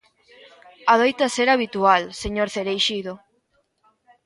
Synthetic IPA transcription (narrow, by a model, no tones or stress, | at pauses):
aðojt̪aseɾaβit̪ualseɲoɾθeɾejʃiðo